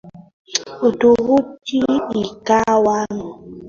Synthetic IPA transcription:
otoɣut͡ʃiikawanɔ

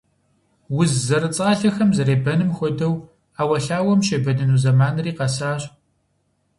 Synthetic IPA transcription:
wʊzːɐɾɨt͡sʼaːɬɐxɐmzɐɾeːbɐnɨmxʷɔdɐw | aːwɐɬaːwɐmɕeːbɐdɐnuːzɐmaːnɨriːqɐsaːɕʼ

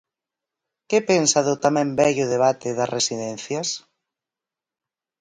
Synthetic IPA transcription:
kepensaðʊt̪amɛ̃mbɛʎʊðeβ̞at̪eðɐsresiðɛn̟θjas

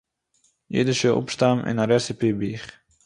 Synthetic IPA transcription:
jḛdəʃəʔɔ̰pʃtamʔɪ̰naɾɛsipibiχ

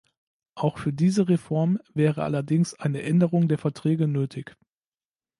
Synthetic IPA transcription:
ʔaʊxfyːɐdiːzəʁefɔɐmvɛːʁəʔa̰lɐdɪŋsʔaɪnəʔɛndəʁʊŋdeːɐfɛɐtʁ̥ɛːɡənøːtʰɪç

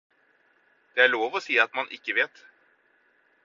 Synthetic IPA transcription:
d̪̥ɛæɭoːvɔseːat̪manʔɪ̰kːəveːt̪

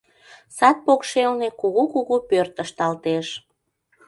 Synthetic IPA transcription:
sɑt̪̚pokʃelnekuɣukuɣupørt̪ːəʃt̪ɑlt̪eʃ

